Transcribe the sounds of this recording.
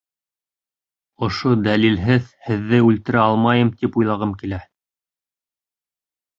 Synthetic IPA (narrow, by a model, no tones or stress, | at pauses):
ŏʃod̪ælilɦɘðhɘ̆ðːɘʉlt̪ɘ̆ɾæɑlˠmɑjɤmt̪ipujlˠɑʁɤmkilæ